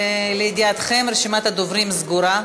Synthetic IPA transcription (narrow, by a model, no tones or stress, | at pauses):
leid̪iat̪χemɾeʃimat̪had̪ovɾimzɡuɾa